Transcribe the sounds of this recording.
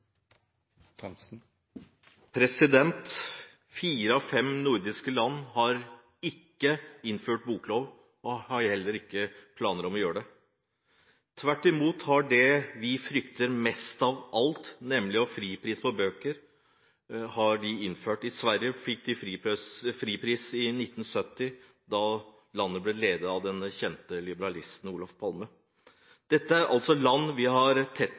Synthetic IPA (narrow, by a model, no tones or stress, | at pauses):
pʰɾɛsɪd̪ɛnt̪ | fiːɾəɑfɛmnʊɾd̪ɪskəlɑnːhɑɾ | ɪkːəɪnføːʈ̚buːkʰloːʋ | ɔhɑɾhɛlːəɾɪkːəpʰlɑːnəɾɔmɔjøːəɖɛ | t̪ʰʋæʈːɪmuːt̪hɑɖɛʋɪfɾʏkt̪əɾmɛst̪ɑʋʔɑlt̪nɛmːlɪɔfɾiːpʰɾiːspʰɔbøːkəɾ | hɑɖɪɪnːføːʈɪsʋæɾjəfɪk̚ːd̪ɪfɾifɾiːpʰɾiːsɪnɪt̪ːn̩sœt̪ːɪ | d̪ɑ | lɑnːəblɛleːd̪əɑʋd̪ɛnçɛnt̪əlɪbəɾɑlɪst̪n̩uːlɑfpʰɑlmə | d̪̥ɛt̪ːəæɾʔɑ̰lt̪sɔlɑnːʋɪɦɑɾt̪ʰɛt̪ː